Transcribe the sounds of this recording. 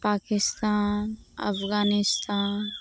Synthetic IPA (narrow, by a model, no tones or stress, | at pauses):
paːkɪst̪aːnɐ̰pʰɡaːnɪst̪aːn